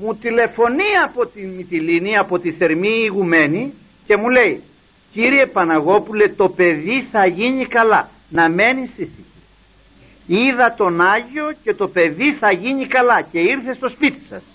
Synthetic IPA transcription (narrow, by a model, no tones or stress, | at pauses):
mut̪ile̞fo̞niɐpo̞t̪imit̪iliniɐpo̞t̪iθe̞ɾmiːɣume̞ni | ce̞mule̞i | ciɾie̞pɐnɐɣo̞pule̞t̪o̞pe̞ðiθɐʝiɲikɐlɐ | nɐme̞nist̪iθici̥ | iðɐt̪o̞nɐʝio̞ce̞t̪o̞pe̞ðiθɐʝiɲikɐlɐce̞iɾθe̞st̪o̞spit̪i̥sɐ̰s